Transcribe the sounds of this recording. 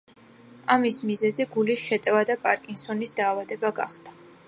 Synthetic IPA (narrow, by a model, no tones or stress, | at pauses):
amismizɛzɛɡulisʃɛt̪ʼɛvad̪apʼaɾkʼinsɔnisd̪aːvad̪ɛbaɡaχd̪a